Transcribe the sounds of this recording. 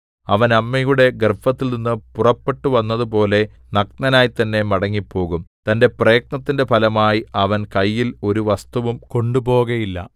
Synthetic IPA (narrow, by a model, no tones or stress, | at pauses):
ɐʋɐnɐmːɐjuɽe̞ɡrfɐt̪ːilninːɨpurɐpːe̞ʈːuʋɐnːɐðupo̞ːle̞ | nɐk̚nɐnaːjit̪ɐnːe̞mɐɽɐŋːipːo̞ːɣumt̪ɐnde̞prɐjɐk̚nɐt̪ːinde̞pʰɐlɐmaːjiɐʋɐnkɐjːilo̞ɾuʋɐst̪uʋumko̞ɳɖupo̞ːɣɐjilːɐ̰